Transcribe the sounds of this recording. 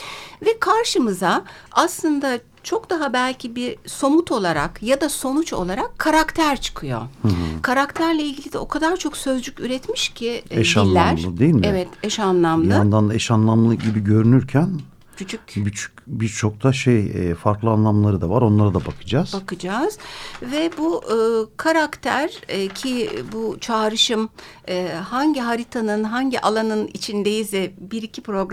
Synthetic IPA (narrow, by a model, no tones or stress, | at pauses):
vɛkʰaɾʃɯmɯzaaslˠɯnd̪a | t͡ʃʰo̞kd̪aɦabælʲcʰibiso̞mut̪ʰo̞lˠaɾa̰kjad̪aso̞nut͡ʃo̞̰lˠaɾakʰːaɾakt̪ʰæɾt͡ʃʰɯ̥kʰɯjo̞̰hɯɦ̩kʰaɾakt̪ʰæɾlʲɛilʲɟilʲid̪ɛo̞kʰad̪aɾt͡ʃʰo̞ksø̞zd͡ʒycyɾɛt̪miʃcʰɪɛʃanlʲːæɾlˠɯd̪ejilʲmevɛt̪ʰɛʃanlˠamlˠɯand̪anɛʃanlˠamlˠɯɟibiɟø̞ɾynyɾcʰæn | cʰyt͡ʃʰycbit͡ʃʰy̥ | biɾt͡ʃʰo̞k̚t̪ʰaʃejɛfaɾklˠɯanlˠamlˠaɾɯd̪avaɾo̞nlˠaɾad̪abakʰɯ̥d͡ʒaːz̥bakɯd͡ʒaːz̥vɛbukʰaɾakt̪ʰæɾcʰibut͡ʃʰaːɾɯʃɯmː | haɲɟiɦaɾit̪ʰanɯnɦaɲɟiʔalˠanɯnḭt͡ʃʰind̪ejizɛbiɾicʰipɾo̞ɡɾ